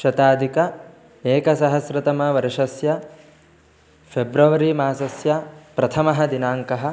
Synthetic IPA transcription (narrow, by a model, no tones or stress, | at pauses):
ʃɐt̪aːd̪ʱikɐ | eːkɐsɐɦɐsɾɐt̪ɐmɐʋɐɾɐʃɐsjɐ | pʰebɾɐʋɐɾimaːsɐsjɐpɾɐt̪ʰɐmɐɦɐ̆d̪inaːŋkɐɦɐ̆